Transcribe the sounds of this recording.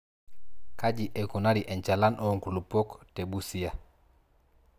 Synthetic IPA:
kaɟiʔɛkunaɾiʔɛɲt͡ʃalanʔoŋkulupoktebusija

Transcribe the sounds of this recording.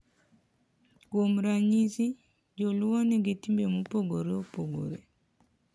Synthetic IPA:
komɾaɲisi | d͡ʒoluwɔnɛɡetimbemupoɡoɾɛopoɡo̰ɾɛ

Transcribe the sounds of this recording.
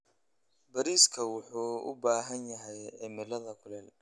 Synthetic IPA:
bɐɾiːskʰɐwʊħuːʊ̰baːɦɐnjɐɦɛjɛmɪlɐðɐkʰʊlɛːl

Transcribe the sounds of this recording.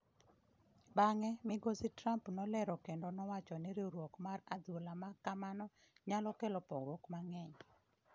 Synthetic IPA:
baŋɛmɪɡositɾampnɔlɛɾɔkendɔnɔwat͡ʃɔnɪɾeɾwokmarad̪olamakamanɔ | ɲalɔkelɔpɔɡwokmaŋɛɲ

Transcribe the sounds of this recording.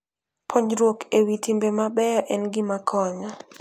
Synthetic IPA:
pʰoɲɾwokewitimbemabɛʔɛnɡɪmakʰɔɲɔ

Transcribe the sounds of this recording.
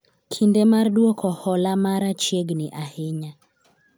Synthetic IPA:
kʰindemardwokʰɔhɔlamaɾat͡ʃjeɡnɪʔaheɲa

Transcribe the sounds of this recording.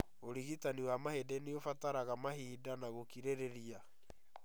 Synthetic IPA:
oɾiɣitaniwamahedɛneofataɾaɣamaɦiːdanaɣokiɾeɾeɾia

